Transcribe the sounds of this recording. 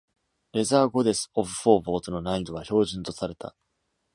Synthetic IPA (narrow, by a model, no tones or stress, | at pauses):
ɾe̞zaːɡo̞d̪e̞sɨ̥o̞bɯ̟ɸo̞ːbo̞ːt̪ono̞naid̪o̞βaço̞ːʑĩnt̪o̞saɾe̞t̪a̰